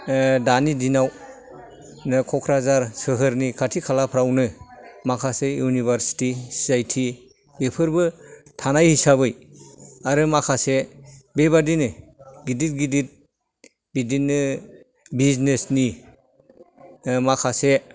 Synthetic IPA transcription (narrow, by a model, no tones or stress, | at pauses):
danidinaw | nɯkʰɔkʰɾazaɾsɯɦɯɾnikʰatʰikʰalapʰɾawnɯmakʰasejunibʱaɾsi̥tissajtʰi | bepʰɯɾbɯtʰanajhisabɯj | aɾɯmakʰasebeβadinɯɡidit̚ɡidit̚ | bidinːɯ | biznesni | makʰase